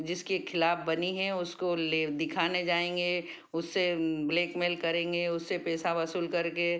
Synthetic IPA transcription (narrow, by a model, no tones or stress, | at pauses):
d͡ʒɪskekʰɪlaːfbɐniɦɛʊskoled̪ɪkʰaːned͡ʒaːẽːŋ̆ɡe | ʊsːebleːkmeːlkɐɾẽːŋɡeʊsːepɛːsaʋɐsuːlkɐɾke